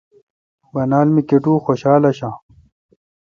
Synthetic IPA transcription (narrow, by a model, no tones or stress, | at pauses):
wɐnaːlmikeʈuːxoɕaːlɐɕãː